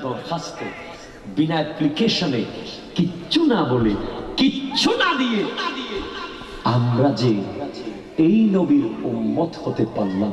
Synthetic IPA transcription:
d̪ɔɾkast̪e | binaplikeʃone | kiɕʰunabolekiːunad̪ied̪ie | amɾad͡ʑe | ejnobiɾumːot̪hot̪epaɾlam

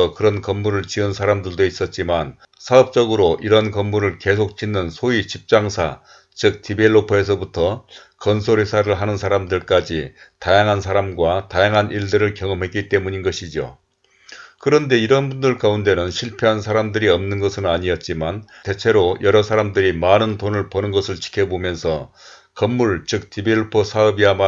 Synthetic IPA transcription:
ʌkɯɾʌnkʌmːuɾɯɭt͡ɕiɯnsʰaɾamdɯɭdois͈ʌt̚t͡ɕ͈iman | sʰaʌp̚t͡ɕ͈ʌɡɯɾoʔiɾʌnkʌmːuɾɯɭke̞sʰok̚t͡ɕ͈inːɯnsʰoit͡ɕip̚t͡ɕ͈aŋsʰa | t͡ɕɯk̚tibe̞ɭːopʰoe̞s̬ʰʌbutʰʌ | kʌnsʰoɾesʰaɾɯɭɦanɯnsʰaɾamdɯɭk͈ad͡ʑitajaŋɦans̬ʰaɾamɡwatajaŋɦanʔiɭdɯɾɯɭkjʌŋʌmɦe̞k͈it͈e̞muɲinɡʌɕʰid͡ʑo̰ | kɯɾʌnde̞iɾʌnbundɯɭkaunde̞nɯnɕʰiɭpʰjeɦansʰaɾamdɯɾiʌmnɯnɡʌsʰɯnɯnaɲiʌt̚t͡ɕ͈imante̞t͡ɕʰe̞ɾojʌɾʌsʰaɾamdɯɾimanɯntonɯɭpʌnɯnɡʌsʰɯɭt͡ɕi̥kʰe̞bomjʌnsʰʌ | kʌmːuɭt͡ɕɯk̚tibeɭːopʰosʰaʌbiama

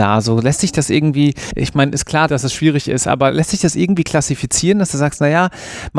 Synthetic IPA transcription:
a̰ːzoːlɛstz̥ɪçd̥asʔɪɐɡŋ̩tv̥iːʔɪ̰çmaɪnʔɪstkʰl̥aːɐd̥asɛsʃv̥iːʁ̞ɪçɪ̰stʔa̰ːbɐlʔɛstz̥ɪçd̥asʔɪ̰ɐɡŋ̩tv̥iːkʰl̥asifit͡siːʁəndasd̥uːzaːkstnajaː | m

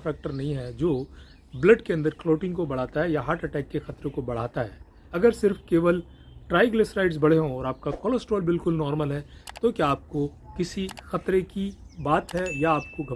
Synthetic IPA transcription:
fɛːk̚ʈəɾnɐɦĩɦɛd͡ʒoː | bləɖkeɐ̃nd̪əɾkloːʈɪ̃ŋɡkobɐɽ̤aːt̪aɦɛjaɦaːɾʈɐʈɛːkːexɐt̪ɾẽkobɐɽ̤aːt̪aɦɛː | ɐɡəɾsɪɾfkeːʋəl | ʈɾaːɪɡləsɾaːɪʈs̬bɐɽ̤eɦõɔːɾaːp̚kapkɔːloːsʈɔːlbɪlkʊlnɔːɾməlɦɛt̪okjaːp̚ko | kɪsixɐt̪ɾekibaːt̪ɦɛjaaːp̚koɡʱɐ

